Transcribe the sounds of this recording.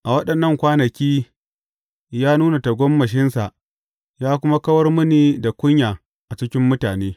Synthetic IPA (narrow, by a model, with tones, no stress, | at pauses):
ʔa˨wɐ˦ɗɐ˨nːɐ˦˨ŋkʷaː˦nɐ˨kʲiː˦ | jaː˦nuː˦na˨tɐ˨ɡʷɔ˦mːɐ˨ʃ̬ɪ˦nsa˨ʔ | jaː˦k̬ʷʊ˦ma˦kɐ˦wɐ˦rmʊ˦niː˨da˨kʷʊ˦ɲjaː˨ | ʔa˨t͡ʃɪ˦kʲɪ˦mːʊ˦taː˨neː˦